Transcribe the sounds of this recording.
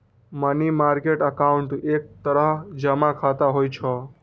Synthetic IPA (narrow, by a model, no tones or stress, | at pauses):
mənimaɾkeʈəkauɳʈek̚t̪əɾəɦd͡ʒəmakʰat̪aɦojt͡ʃʰɔ